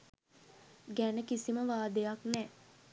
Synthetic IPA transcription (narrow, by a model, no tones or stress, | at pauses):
ɡænəkisiməʋaːd̪əjaknɛː